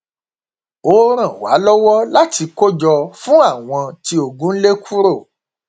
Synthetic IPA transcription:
o˧ɾ̃ã˨wa̰˨˦lɔ˦wɔ˦la˦ti˧ko˦d͡ʒɔ˧fũ˦a˦˨w̃ɔ̃˧ti˧o˨ɡũ˨˦n̩˦le˦kʰu˦ɾo˦˨

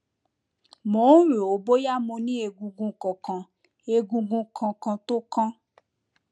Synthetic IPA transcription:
mo˨˦ɾe˨o˨bo˦ja˦mõ˧nĩ˦e˧ɡũ˧ɡũ˧kɔ̃˨kã˨ | e˧ɡũ˧ɡũ˧kʰã˧kã˧to˦kã˦

